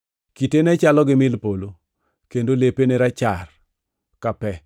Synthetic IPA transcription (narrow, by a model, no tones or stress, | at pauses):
kitenɛt͡ʃalɔɡɪmɪlpolo | kendolepeneɾat͡ʃar | kapɛ